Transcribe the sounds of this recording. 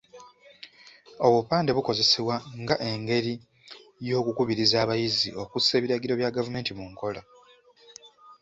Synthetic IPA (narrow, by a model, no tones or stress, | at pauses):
o̞βwopaːnde̞βuko̞ze̞seβwaŋɡaʔe̞ŋɡe̞ɾi | jo̞ːkukuβiɾizaːβajizio̞kuse̞ːβiɾaɡiɾo̞βjaɡavume̞ːntimuŋko̞la